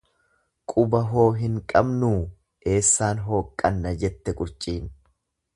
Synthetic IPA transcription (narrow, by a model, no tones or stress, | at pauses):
kʼʊbɐɦo̞ːɦɪŋkʼɐbnuː | e̞ːsːaːnɦo̞ːkʼːɐnːɐd͡ʒɛt̪ːɛkʼʊɾt͡ʃʼiːn